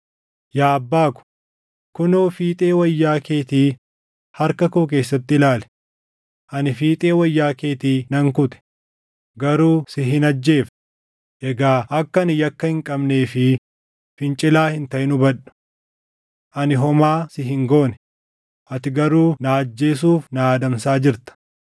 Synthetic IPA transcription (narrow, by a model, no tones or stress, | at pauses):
jaːbːaːkʊ̥ | kʊnoːfiːt̪ʼe̞ːwɐjːaːke̞ːt̪iː | hɐɾkɐkoːk̬e̞ːsːɐt̪ːɪɪlaːlɛ̥ | ʔɐnɪfiːt̪ʼe̞ːwɐjːaːke̞ːt̪iːnɐŋkʊt̪ɛ̥ | ɡɐɾuːsɪɦɪnɐd͡ʒːe̞ːf | ʔɛɡaːʔɐkːɐnɪjɐkːɐhɪŋkʼɐbne̞ːfɪ | fɪnt͡ʃʼɪlaːhɪnt̪ɐʔɪnʊbɐᶑʊ̥ | ʔɐnɪɦɔmaːsɪɦɪŋɡo̞ːnɛ̥ | ʔɐt̪ɪɡɐɾuːnaːd͡ʒːe̞ːs̬uːfnaaːd̪ɐmsaːd͡ʒɪɾt̪ɐ̥